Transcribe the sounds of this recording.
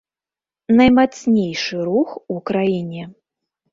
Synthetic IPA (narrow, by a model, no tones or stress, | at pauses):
nɐjmat̪sʲnʲejʂɨɾuxukɾajinʲɛ